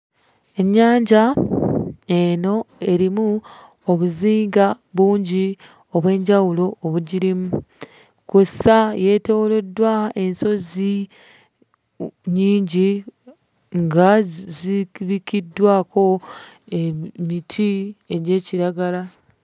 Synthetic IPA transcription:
e̞ɲːaːɲɟa | e̞no̞e̞ɾimu | oβuziːŋɡa | βuːɲɟi | o̞βwe̞ːɲɟawulo̞ːβuɟiɾimu | kusaje̞ːte̞wole̞dwae̞nso̞zi | ɲiːɲɟi | ŋɡaziβikidːwaːko̞ | emitʰie̞ɟe̞ːciɾaɡala

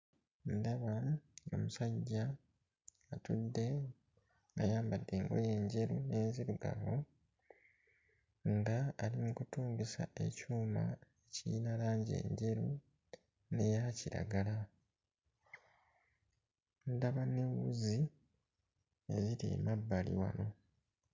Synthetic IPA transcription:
ndaβao̞̰musaɟːaː | tudːe̞ | ŋɡajaːmbadːe̞ːŋɡo̞̰je̞ːɲɟe̞ɾune̞ːnziɾuɡa̰ɾo | ndaːlimukutuːŋɡesa̰ʔe̞̰cuːma̰ecinalaːɲɟe̞̰ːɲɟe̞ɾu | ne̞jaciɾa̰ɡala | ndaβanewuzi | e̞ziɾḛmabːalḭwa̰no̞

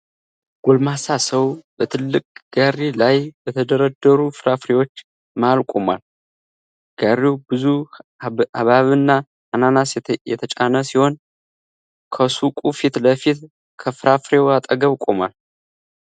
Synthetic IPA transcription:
ɡ̥olmasasəwbət̪ʰɨlːɨkʼɡ̥arilajbət̪ʰəd̪əɾəd̪ːəɾufɨɾafɾewo̞t͡ʃː | malkʼoma̰l | ɡ̥arːiwbɨzu | aβaβɨnːa | ananasjɛ̰t̪ʰət͡ʃʼanəsiho̞n | kʰəsukʼufit̪ləfit̪ | kʰəfɨɾafɾe̞wat̪ʼəɡəβkʼomal

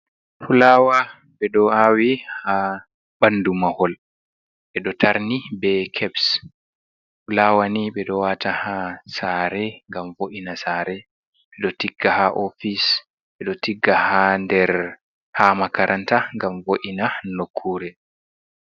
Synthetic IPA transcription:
pulawa | ɓɛɗɔawiha | ɓandumahɔl | ɓɛɗɔtaɾnibɛkʰɛbs | pulawaniɓɛɗɔwatahasaɾɛŋɡamvoʔinasaːɾɛ | ɓɛɗɔtiɡːahaʔofis | ɓɛɗɔtiɡːahandɛɾ | hamakaɾʔantaŋɡamvoʔinanokʰːuɾɛ

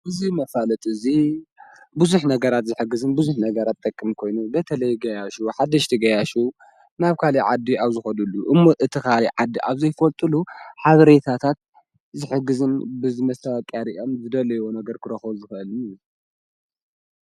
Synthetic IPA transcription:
ʔɨzimɐfalɐt̪ʼɨzi | buzuħnɐɡɐɾat̪zɨħɨɡːɨzɨnbuzuħnɐɡɐɾat̪ʼːɐkʼːɨmikʰo̞jnubɐt̪ʰɐlɐjɡɐjaʃuħad̪ɐʃt̪ʰiɡɐjaʃu | naβkʰaliʕad̪ːiaβzɨxɐd̪ulːuʔɨmːoʔɨt̪ʰikʰaliʕad̪ːiʔaβzɐjfɐlt̪ʼɨluħaβɐɾe̞t̪ʰat̪ʰat̪̚ | zɨħɨɡːɨzɨnbɨzɨmɐst̪ʰawɐkʼːaɾiʔo̞mzɨd̪ɐlɐjwonɐɡɐɾkʰɨɾɐxɐβzɨxɐʔɨlɨnɨju

